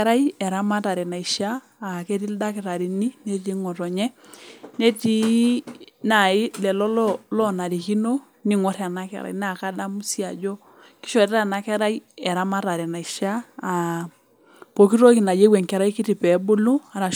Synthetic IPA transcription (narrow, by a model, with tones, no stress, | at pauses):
ɛɾa˦jɛ˨ɾa˦ma˦ta˨ɾɛ˨na˨i˨ʃaː˦˨ | ke˦ti˦lda˦kɪ˨ɾa˨ɾi˨ni˦ne˦ti˦ŋɔ˨tɔ˨ɲɛ˦ne˦ti˦ | na˨ɪ˦lɛ˨lɔ˦llɔ˦na˨ɾi˨ki˦no˦ | ni˦ŋɔ˦ɾa˨na˦kɛ̰˨˦ɾa̰˨jn˦a˨ka˦da˦mu˦si˦a˨d͡ʒɔ˦ | ki˦ʃɔ˨tɾa˦˨na˨kɛ˦ɾa˦jɛ˨ɾa˦ma˦ta˨ɾɛ˨na˨i˨ʃaː˦˨ | po˨ki˦ɾo˦ki˨na˨je˦wɛ˨ŋkɛ˦ɾa˦i˦ki˦ti˨pɛ˨˦bo˦lu˦a˨ɾa˨